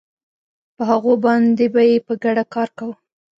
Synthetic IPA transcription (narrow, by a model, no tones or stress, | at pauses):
pəɦaɣobɑnd̪ebajepəɡaɽakɑɾkawə